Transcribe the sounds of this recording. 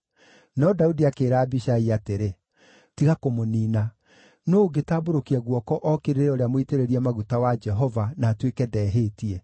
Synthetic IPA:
nɔdaudiakeːɾaːbiʃaiateɾe | tiɣakomoniːna | noːɡetaːboɾokiaɣwɔkɔʔɔkeɾeɾeɔɾeamoiteɾeɾiɛmaɣutawad͡ʒɛɦɔvanaːtwekɛdɛːɦeːtiɛ

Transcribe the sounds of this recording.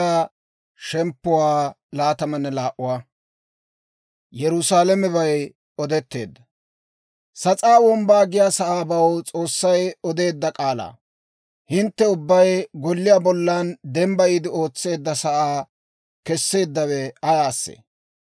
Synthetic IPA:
aː | ʃɛmpːʊwaːlaːt̪ɐmɐnːɛlaːʔʊwaː | jɛɾʊsaːlɛmɛbɐj | ɔd̪ɛt̪ːe̞ːd̪ːɐ | sɐt͡sʼaːwɔmbaːɡɪjaːsɐʔaːbɐwt͡sʼo̞ːsːɐjɔd̪e̞ːd̪ːɐkʼaːla̰ː | hɪnt̪ːɛʊbːɐjɡɔlːɪjaːbɔlːɐnd̪ɛmbɐiːd̪ɪo̞ːt͡sːe̞ːd̪ːɐsɐʔaː | kɛsːe̞ːd̪ːɐwɛɐjaːsːḛ

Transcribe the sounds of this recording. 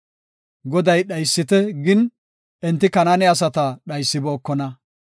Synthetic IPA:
ɡɔd̪ɐjɗɐjsːɪt̪ɛɡɪn | ɛnt̪ːɪkɐnaːnɛɐs̬ɐt̪ɐɗɐjsːɪbo̞ːkːɔnɐ

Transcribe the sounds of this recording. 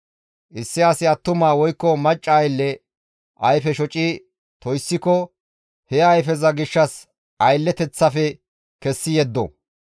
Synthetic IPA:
ʔɪsːɪɐsɪɐt̪ːʊmaːwɔjkːɔmɐt͡ʃʼːɐːjlːɛ | ʔɐjfɛʃɔt͡ʃʼiː | t̪ɔjsːɪkɔ | hɛɐjfɛzɐɡɪʃːɐs | ʔɐjlːɛt̪ɛt͡sːɐfɛ | kɛsːɪjɛd̪ːɔ̰

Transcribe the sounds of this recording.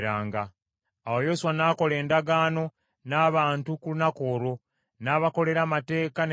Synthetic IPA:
ɾaːŋɡaː | wo̞jo̞suwanaːko̞le̞ːndaɡaːno̞ | naːβaːntukunako̞ːɾo̞ | naːβako̞le̞ɾamate̞ːkan

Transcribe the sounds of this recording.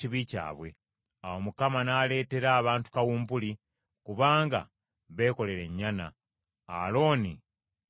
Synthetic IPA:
iβica̰ːβwe̞̰ | awomukamanaːle̞ːte̞ɾaːβaːntu̥kawuːmbuli | kuβaːŋɡa̰ | βe̞ːko̞le̞ɾe̞ɲːana̰ː | lo̞ːni

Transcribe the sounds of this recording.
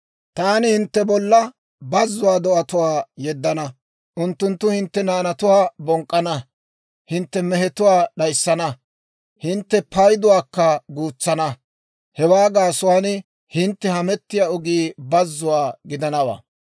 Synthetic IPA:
t̪aːnɪhɪnt̪ːɛbɔlːɐ | bɐzːʊwaːd̪ɔʔɐt̪ʊwaːjɛd̪ːɐnɐ | ʔʊnt̪ːʊnt̪ːʊhɪnt̪ːɛnaːnɐt̪ʊwaːbɔŋkʼːɐnɐ | hɪnt̪ːɛmɛɦɛt̪ʊwaːɗɐjsːɐnɐ | hɪnt̪ːɛpɐjd̪ʊwaːkːɐɡuːt͡sːɐnɐ | hɛwaːɡaːsʊwaːn | hɪnt̪ːɛhɐmɛt̪ːɪjaːɔɡiːbɐzːʊwaːɡɪd̪ɐnɐwa̰ː

